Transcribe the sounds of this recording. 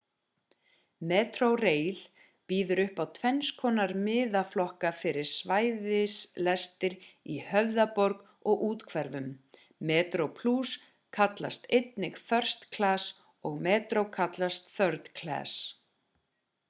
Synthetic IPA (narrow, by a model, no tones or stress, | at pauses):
mɛːt̪ɾowreːjl̥ | piːðʏɾʏhpawt̪ʰvɛnskʰɔːnaɾmɪːðaflɔhkafɪɾɪɾ̥svaːjðɪslɛst̪ɪɾihœvðapɔɾk | ɔɣuːt̪kʰvɛɾvʏmː | ɛːt̪ɾowpʰlus | kʰat̪la̰st̪ejt̪̚nɪkθœr̥st̪kʰlaːs | ɔɣmɛːt̪ɾowkʰat̪last̪θœɾt̪kʰla̰ːs